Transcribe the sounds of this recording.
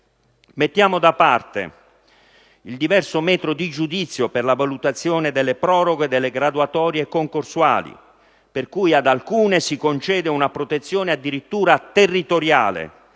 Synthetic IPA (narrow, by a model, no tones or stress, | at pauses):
met̪ːjaːmod̪apːart̪ḛ | ild̪ivɛrsomɛːt̪ɾod̪id͡ʒud̪it̪sːjoperlavalut̪at̪sːjɔːned̪elːepɾɔːɾoɡed̪elːeɡɾad̪uat̪ɔːɾjekoŋkorswa̰ːlḭ | perkujad̪alkuːnesikont͡ʃɛːd̪eunapɾot̪et̪sːjɔːnead̪iɾit̪ːuːɾat̪erːit̪oɾja̰ːlḛ